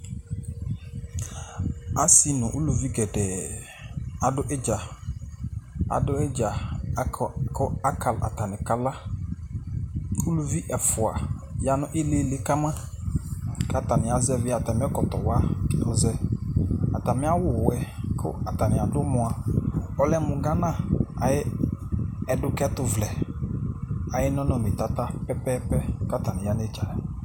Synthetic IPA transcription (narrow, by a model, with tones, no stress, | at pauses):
a˦si˦nʊ̃˨ʔu˦lu˨vi˦ɡɛ˨dɛː˨ | a˨dʊ˦ʔɛ˦d͡ʒa˨ | a̰˨dʊ˦ɛ˦d͡ʒa˨˦˨ | kʰʊ˦a˦kʰa˨lʔa̰˨ta˨nɪ̃˨ka˨la˦ | u˦lu˦vi˦ʔɛ˨fʊ˨a̰˨ja˦nʊ̃˦ʔe˦le˦lɪ˨˦ka˦mã˦ | ka˦ta˨nɪ˨a˨zɛ˦vɪ˦a˨ta˨mɪ˦ɔ˦kɔ˨tɔ˨wa˦kɛ˨˦ɔ˦zɛ˦ | a˨ta˨mɪ˦a˦wʊ˨wɛ˦kʰʊ̰˦a˨ta˨nɪ˨a˨dʊ˦mʊ˨a˨ɔ˦lɛ˦mʊ˨ɡa˦nã˦˨a˨jɪ˦ | ɛ˨dʊ˦kɛ˦tʊ˨vlɛ˨ | a˨jɪ˦nɔ̃˦nɔ˨mɪ˨ta˦ta˦pɛ˦pɛ˦pɛ˦ka˦ta˨nɪ̃˨ja˦n˦e˦t͡ʃa˨ja˨